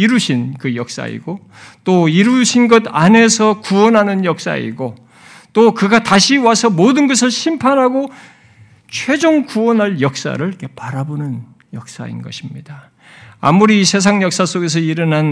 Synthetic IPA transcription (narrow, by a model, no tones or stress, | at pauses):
iɾuɕʰinkɯjʌk̚s͈a̰ḭɡ̥o | t͈oiɾuɕʰinɡʌdane̞sʰʌkuwʌnɦanɯnjʌk̚s͈a̰ḭɡo | t͈okɯɡataɕʰiwasʰʌmodɯnɡʌs̬ʰɯɭɕʰimpʰanɦaɡo | t͡ɕʰwe̞d͡ʑoŋkuwʌnɦaɭjʌk̚s͈a̰ɾɯɭk͈e̞paɾabonɯn | jʌk̚s͈a̰ḭnɡʌɕʰimɲida | a̰muɾisʰe̞s̬ʰaŋjʌk̚s͈as͈oɡe̞s̬ʰʌiɾɯnan